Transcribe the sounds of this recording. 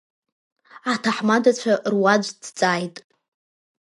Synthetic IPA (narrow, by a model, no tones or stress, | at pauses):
atʰaħmadat͡ɕʷʰaʔrwad͡ʒʷdt͡sʼajtʼ